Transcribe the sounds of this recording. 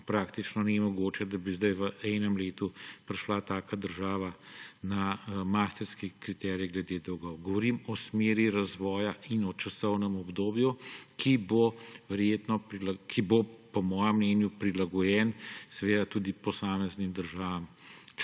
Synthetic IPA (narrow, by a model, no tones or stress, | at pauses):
pɾaːkt̪it͡ʃnɔnɛmɔɡoːt͡ʃɛd̪abizd̪ajʋəɛnɛmleːt̪upɾɛʃlat̪aːkad̪əɾʒaːʋanamaːst̪ɛɾskikɾit̪ɛɾiɛɡlɛd̪eːd̪ɔwɡɔwɡɔʋɔɾimɔsmeːɾiɾazʋɔːjainɔt͡ʃasɔwnɛmɔbd̪oːbjukʰiboʋɛɾjeːt̪nɔpɾilakʰibopɔmɔːjɛmːnɛːnjupɾilaɡɔjɛnsɛʋeːd̪at̪uːd̪ipɔsaːmɛznimd̪əɾʒaːʋam